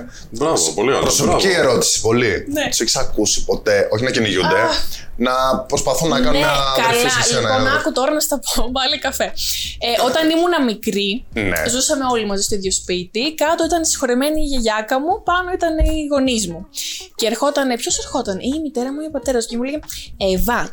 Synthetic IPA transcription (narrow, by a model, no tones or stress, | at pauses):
poliɐ̰pɾosopicieɾo̞t̪i̥si̥po̞linet̪useçi̥sɐkusi̥po̞t̪e̞ʔo̞çinɐciniʝud̪enɐpɾospɐθunːɐɐnenɐɐliɐsenɐkut̪o̞ɾɐnɐst̪ɐpovɐlikɐfe̞eʔo̞t̪ɐnimunɐmikɾinḛzusɐme̞o̞limɐzist̪oiðʝo̞spit̪ikɐt̪o̞it̪ɐnsi̥xo̞ɾeme̞niːʝeʝɐkɐmupɐno̞it̪ɐniiɣo̞nizmuceːɾxo̞t̪ɐnepço̞seɾxo̞t̪ɐnimit̪e̞ɾɐmuiopɐt̪e̞ɾɐscemuleʝeevɐ